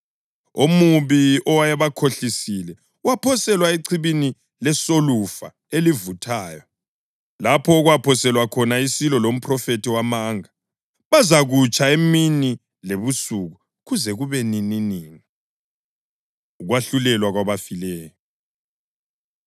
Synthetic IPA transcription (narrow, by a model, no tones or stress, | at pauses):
omuβiɔwajaβakʰoɬisilɛ | wapʰɔsɛlwaeǀʰiβini | lɛsolufa̰ | elivutʰaːjɔ | lapʰɔɣwapʰɔsɛlwakʰɔnaisilɔlom̩pʰrɔfetʰiwamaːŋa | βazaɣut͡ʃʰʼaemini | leβusuɣu | ɣuzɛɣuβɛnininiːŋi | uɣwaɬulɛlwaɣwaβafilɛːjɔ